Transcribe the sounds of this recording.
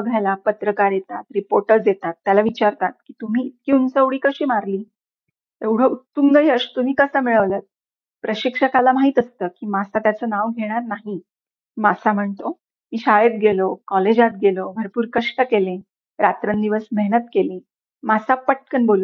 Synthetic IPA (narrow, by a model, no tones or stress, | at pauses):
əɡʱajlapət̪ɾəkaɾjet̪at̪ɾipoɾʈəɾd͡zjet̪at̪ːjalaʋit͡ɕaɾkat̪̚kiːt̪um̤iːt̪̚kiːunsəʋɽiːkəɕiːmaɾliː | eʋɽ̤əut̪ːumɡəjəʂt̪um̤iːkəsəmiɭəʋlət̪̚ | pɾəɕikʂəkalamaɦit̪əst̪əːkiːmasat̪jat͡sonaʋɡʱeɽ̃aɾnaɦi | masam̤əɳt̪o | miːɕajət̪̚ɡʱelokɔled͡ʑat̪̚ɡʱelobʱəɾpuːɾkəʂʈəkelẽ | ɾat̪ɾənd̪iʋəsməɦnət̪kelẽ | masapəʈ̚kəɳbolə